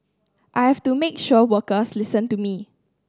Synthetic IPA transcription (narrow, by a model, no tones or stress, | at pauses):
ʔajhɛftumekʃɔwəkəslɪsə̃ntumi